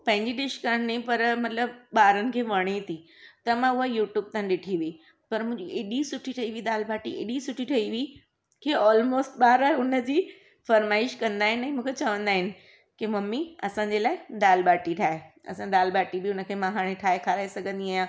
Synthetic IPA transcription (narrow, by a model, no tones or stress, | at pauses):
pɐ̃ɦɪ̃ɲd͡ʑiɗɪʃkaɾɽ̃nĩpɐɾmɐt̪ləbɓaːɾənɪ̆kʰeːʋɐɽ̃it̪ʰit̪ɐmãʊɦajuːʈjuːb̚t̪añɗɪʈʰiʋii | pɐɾmʊ̃ɦɪ̃ɲd͡ʑiʔeːɗisʊʈʰiʈʰɐiʋid̪aːlbaːʈiḛɗisʊʈʰiʈʰɐiʋiː | kʰeɔːlmoːsʈɓaːɾaːɦeʊnə̆d͡ʑiː | fɐɾmaːɪʃkɐ̃nd̪aːɦɪnɪɛ̃ːmũːkʰet͡ɕɐʋə̃nd̪aːɦɪnɪ̆ | kimɐmːiɐsãːɲd͡ʑelaːɪd̪aːlbaːʈiʈʰaːɦeɐ̰sãd̪aːlbaːʈibɪʊnə̆kʰeːmɐɦaːɽ̃ẽʈʰaːekʰaːɾaːesɐɡʱə̃nd̪iaːjã